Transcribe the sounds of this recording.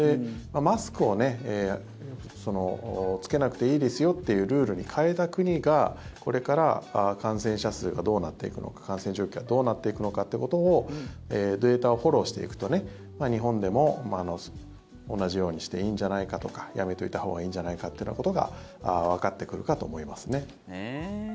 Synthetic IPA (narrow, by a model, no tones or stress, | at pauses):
d̪emamasɨ̥kɯ̟o̞ne̞ | so̞no̞t͡sɨ̥ke̞nakɯ̟̥t̪e̞iːd̪ʲesɨjo̞t̪ːe̞jɯ̟ːɾɯ̟ːɾɯ̟ɲ̟ikʰae̞t̪akɯ̟ɲ̟iɡako̞ɾe̞kaɾa̰akãɰ̃sẽ̞ɰ̃ɕasɨːɡad̪o̞ːnat̪ːe̞̰ḭkɯ̟no̰kḁkãɰ̃sẽɲd͡ʑo̞ːkʲiɡad̪o̞ːnat̪ːe̞ikɯ̟no̞kat̪ːeko̞t̪o̞ːeːd̪e̞ːt̪ao̞ho̞ɾo̞ːɕi̥t̪e̞̰ḭkɯ̟̥t̪o̞ne̞ | maɲ̟iɦõ̞nd̪e̞mo̞maːno̞ | onːaʑijo̞ːɲ̟iɕi̥t̪e̞iːɲ̟d͡ʑanaikat̪o̞kḁja̰me̞t̪o̞it̪aho̞ːɡaĩːɲd͡ʑanaikat̪ːeiɯna̰kot̪o̞ɡa̰ | aβ̞akat̪ːe̞kɯ̟ɾɯ̟kat̪o̞ːmo̞imasɨne̞